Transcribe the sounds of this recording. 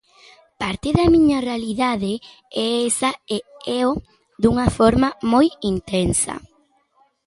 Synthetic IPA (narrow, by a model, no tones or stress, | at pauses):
paɾt̪eðɐmĩɲɐrealiðaðe | ɛesɐeɛo | ðuŋɐfoɾmɐmojint̪ensɐ̰